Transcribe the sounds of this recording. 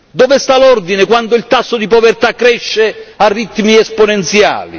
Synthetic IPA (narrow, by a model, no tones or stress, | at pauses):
d̪ɔvɪst̪alɔrd̪inɪkwand̪ʊilt̪asːod̪ipovɛrt̪akːɾɛʃːearːit̪ːmiɛsponɛnt̪sja̰ːlḭ